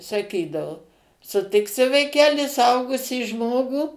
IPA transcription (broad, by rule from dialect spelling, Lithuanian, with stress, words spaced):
sɐˈkʲiːdɐʋʊ sʊˈtʲɪksʲɪ ʋɐɪˈkʲæːlʲɪ sʊˈɐʊɡʊsʲiː ˈʒmoːɡuː